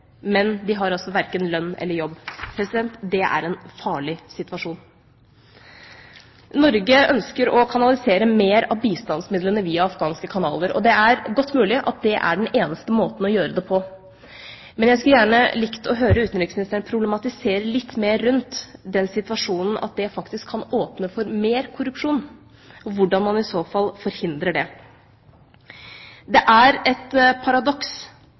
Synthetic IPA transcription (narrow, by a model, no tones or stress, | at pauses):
mɛnd̪ɪɦɑɾɑsɔʋæɾkənlœnːɛ̰lːəɾjɔbːpʰɾɛsɪd̪ɛnt̪d̪ɛʔæ̰ɾɛnfɑːɭɪsɪt̪ʋɑʂuːn | nɔɾɡəœnskəɾɔkʰɑnɑlɪseːɾəmeːɾɑ̰ʋbiːst̪ɑnsmɪd̪lənəʋiːɑɑfɡɑːnskəkʰɑnɑ̰ːləɾɔ̰d̪ɛæɾɡɔt̪ːmʉːlɪʔɑ̰t̪̚d̪ɛʔæ̰ɖɛn̩eːnəst̪əmoːt̪n̩ɔjøːɾəd̪ɛpʰɔ | mɛnjæɪskʉljæːɳəlɪkt̪əɔɦøːɾəʉːt̪n̩ɾɪksmɪnɪst̪ʰəɳ̩pʰɾʊblɛmɑt̪ɪseːɾəɭɪt̪ːmeːɾːʉnt̪d̪ɛnsɪt̪ʋɑʂuːnn̩ʔɑ̰t̪̚d̪ɛfɑkt̪ɪskʰːɑnoːpnəfɔɾmeːɾkʰʊɾʉpʂuːn | ɔʋʊɖɑnmɑnɪsoːfɑlfɔɾhɪnd̪ɾəɖɛ | d̪ɛʔæɾɛt̪pʰɑɾɑd̪ɔks